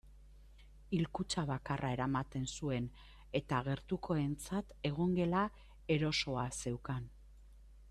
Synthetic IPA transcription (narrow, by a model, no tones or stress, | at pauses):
ilkut͡ʃaβakarʔae̞ɾamat̪e̞nsue̞n | e̞t̪aɣ̞e̞ɾt̪ukʰo̞e̞nt͡sat̪e̞ɣ̞o̞ŋɡe̞la | e̞ɾo̞so̞ase̞wkan